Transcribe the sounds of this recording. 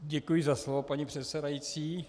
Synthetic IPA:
ɟɛkujɪzaslovopaɲipr̝̥ɛt̪sɛdajit͡siː

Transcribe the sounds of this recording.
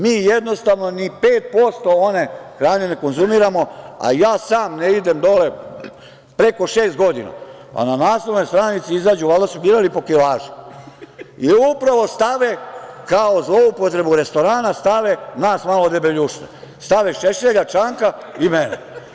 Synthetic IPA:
miːjed̪no̞st̪aʋno̞nipeːt̪̚po̞st̪o̞one̞xɾaːɲeneko̞nzumiɾamo̞a̰jaːsaːmneid̪e̞md̪o̞le̞ | pɾe̞ko̞ʃeːst̪̚ɡo̞d̪ḭna̰ | a̰nanaːslˠoʋnojst̪ɾaːnit̪siizaːd͡ʑuʋald̪asubiːɾalipo̞kilaːʒu̥ | iupɾaʋo̞st̪aʋekaozloupot̪ɾe̞buɾe̞st̪o̞ɾaːnast̪aʋe̞naːsmalod̪ebeʎuʃt̪ḛ | st̪aʋeʃeʃeʎat͡ʃaːŋkaimenḛ

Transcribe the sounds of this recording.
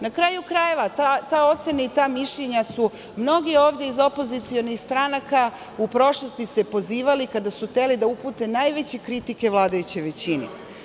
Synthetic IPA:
nakɾaːjukɾaje̞ʋat̪at̪ao̞t̪se̞nait̪aːmiʃʎeɲasu | mno̞ɡio̞ːʋd̪jeizo̞po̞zit̪sio̞nixst̪ɾanaka | upɾo̞ʃlˠost̪ise̞po̞ziːʋalikad̪asuxt̪e̞lid̪aupuːt̪e̞najʋe̞t͡ɕe̞kɾit̪ike̞ʋlˠaːd̪ajut͡ɕejʋe̞t͡ɕinḛ

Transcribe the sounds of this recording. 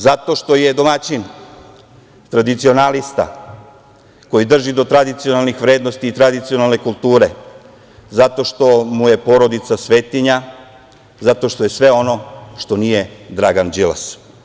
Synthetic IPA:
zat̪o̞ʃt̪o̞jed̪o̞mat͡ɕin | t̪ɾad̪it̪sio̞nalist̪a̰ | ko̞jid̪r̩ʒid̪o̞t̪ɾad̪it̪sijonalnixʋɾeːd̪nost̪iːt̪ɾad̪it̪sio̞nalˠnekulˠt̪uːɾe | zat̪o̞ʃt̪o̞muje̞po̞ɾo̞d̪it̪sasʋe̞ːt̪iɲa | zat̪o̞ʃt̪o̞je̞sʋe̞o̞no̞ʃt̪o̞nije̞d̪ɾaɡand͡ʒila̰s

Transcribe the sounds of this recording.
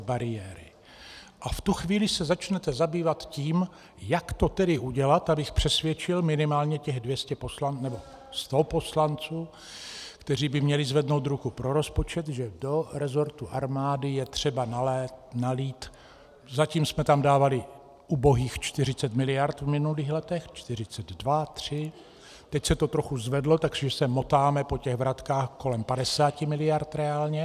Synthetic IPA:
baɾɪjɛːɾɪ̰ | ʔaft̪uxviːlɪsɛzat͡ʃnɛt̪ɛzabiːvat̪ciːm | jakt̪o̞t̪ɛdɪʔuɟɛlat̪abɪxpr̝̥ɛsvjɛt͡ʃɪlmɪnɪmaːlɲɛcɛɣdvjɛscɛpo̞slannɛbo̞ | st̪opo̞slant͡suː | kt̪ɛriːbɪmɲɛlɪzvɛdno̞wt̪ɾukupɾo̞ɾo̞spot͡ʃɛt̪ʒɛdo̞ɾɛzo̞ɾt̪uʔaɾmaːdɪjɛt̪r̝̥ɛbanalɛtnaliːt̪ | zaciːmsmɛt̪amdaːvalɪ | ʔuːbo̞ɦiːxt͡ʃt̪ɪr̝ɪt͡sɛt̪mɪlɪjaɾt̪vmɪnuliːxlɛt̪ɛxt͡ʃt̪ɪrɪt͡sɛd̪dvat̪r̝̥ɪ | t̪ɛcsɛt̪ot̪ɾo̞xuzvɛdlo̞t̪akʒɛsɛmo̞t̪aːmɛpo̞cɛɣvɾat̪kaːxko̞lɛmpadɛsaːcɪmɪlɪjaɾt̪ɾɛaːlɲɛ

